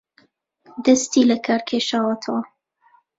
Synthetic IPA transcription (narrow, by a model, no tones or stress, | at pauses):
d̪ɐst̪iːlɐkʰaːɾkʰeːʃaːwɐt̪ʰɐwɐ